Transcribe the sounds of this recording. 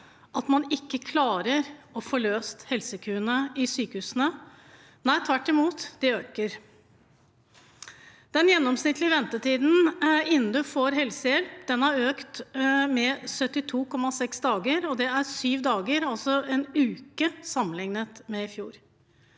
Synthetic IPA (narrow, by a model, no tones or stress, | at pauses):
ʔɑt̪mɑnɪkːəkʰlɑːɾəɾɔfɔɭøːst̪hɛlsəkʰʉːənəɪsyːkəhʉːsənə | næɪt̪ʰʋæʈːɪmuːt̪d̪̥ɪøːkəɾ | d̪̥ɛnjɛnːɔmsnɪt̪ːlɪʋɛnt̪ət̪iːd̪n̩ɪnːn̩d̪ʉfoːɾɦɛlsəjɛlpd̪ɛnæɾøːkt̪mɛsœt̪ːɪt̪ʰuːkʰɔmːɑsɛksd̪ɑːɡəɾɔd̪ɛæɾsyːʋd̪ɑːɡəɾɑlsɔɛnʉːkəsɑmːənlɪŋnət̪mɛɪfjṵːɾ